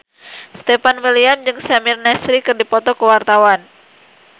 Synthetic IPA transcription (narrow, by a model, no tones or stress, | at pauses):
st̪ɛfanwiliamd͡ʒɨŋsamirnɛsɾikɨrdipɔt̪ɔkəwart̪awan